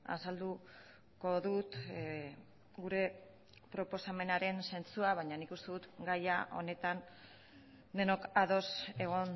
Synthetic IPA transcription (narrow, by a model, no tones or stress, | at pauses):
a̰sald̪u | ko̞ðut̪ | ɡuɾe̞ | pɾo̞po̞same̞naɾe̞nse̞nt͡suaβaɲanikust̪eðut̪ɡajaʔo̞̰ne̞t̪an | d̪e̞no̞kaðo̞se̞ɣ̞o̞n